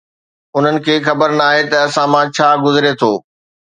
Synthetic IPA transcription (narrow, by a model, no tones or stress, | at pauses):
ʊn̤ənɪ̆kʰeːxɐbəɾnaːɦet̪ɐɐsãmãt͡ɕʰaːɡʊzɪɾet̪ʰoː